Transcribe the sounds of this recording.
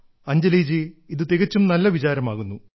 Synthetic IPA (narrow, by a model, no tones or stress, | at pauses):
ɐɲd͡ʑɐliːd͡ʑiiðut̪iɣɐt͡ɕːumnɐlːɐʋit͡ɕaːɾɐmaːɣunːu